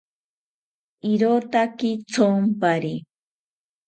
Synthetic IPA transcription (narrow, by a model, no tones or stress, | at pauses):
iɾot̪akit͡sompaɾi